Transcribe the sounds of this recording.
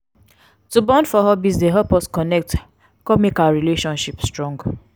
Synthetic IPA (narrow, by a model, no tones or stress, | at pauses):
tubɔ̃ndfɔɦɔbizdeɦɛpɔskɔnɛk̚t | kɔmikalɹileʃɔ̃nʃipstɹɔ̃ŋɡ